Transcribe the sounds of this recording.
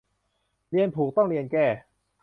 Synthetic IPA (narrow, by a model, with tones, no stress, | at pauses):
ɾi˧ənpʰuː˨˩k̚t̪ɔ˥˩ŋɾi˧ənkɛː˥˩